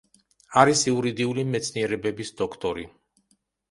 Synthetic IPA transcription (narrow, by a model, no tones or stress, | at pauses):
aɾisiuɾid̪iulimɛt̪sʰniɛɾɛbɛbisd̪ɔkʰt̪ʼɔɾi